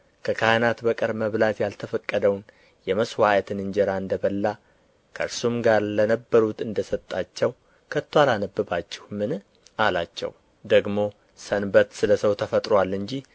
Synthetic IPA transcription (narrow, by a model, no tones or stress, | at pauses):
kʰəkʰajnat̪bəkʼəɾməβlat̪jalt̪ʰəfəkʼːəd̪əwn | jɛməswaʔət̪ʰɨnɨnd͡ʒɛɾaɨnd̪əβəlːa | kʰəɾsumɡaɾlənəbːəɾut̪ɨnd̪əsət̪ʼːat͡ʃːɛw | kʰət̪ʰːwalanəbːɨbat͡ʃːɛ̥hmɨn | alat͡ʃːɛ̰w | d̪əɡmo̞ | sənbət̪sɨləsəwt̪ʰəfət̪ʼɾwalːɨɲd͡ʒi